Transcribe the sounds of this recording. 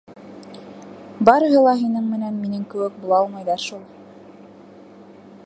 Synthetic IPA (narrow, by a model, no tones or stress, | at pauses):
bɑɾɤ̆ɦɤ̆lˠɑɦinɘɴmɘ̆nænminɘŋkɘ̆wɘk̚bulˠɑɑlˠmɑjðɑɾʃulˠ